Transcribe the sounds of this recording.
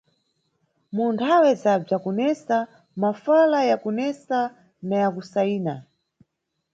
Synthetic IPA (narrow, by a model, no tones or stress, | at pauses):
muntʰawɛzab͡ʐakunɛsa | mafalajakunɛsa | najakusaiːna